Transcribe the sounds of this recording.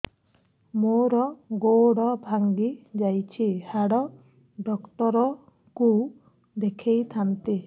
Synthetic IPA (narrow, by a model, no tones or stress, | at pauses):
moɾɔɡoɽɔbʱaŋɡid͡ʒajt͡ʃʰihaɽɔ | ɖɔkʈɔɾɔ | ku | d̪ekʰejt̪ʰant̪i